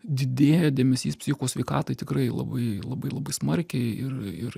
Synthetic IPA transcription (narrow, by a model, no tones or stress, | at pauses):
d̪ʲɪd̪ʲeːjɛd̪ʲeːmʲɛsʲiːspʲsʲɪçʲɪkoːsʲʋʲɛɪkɑːt̪ɐɪt̪ʲɪkɾɐɪlˠɐ̰bɐɪlˠɐbɐɪlˠɐbɐɪsmɐɾʲkʲɛɪɪrɪr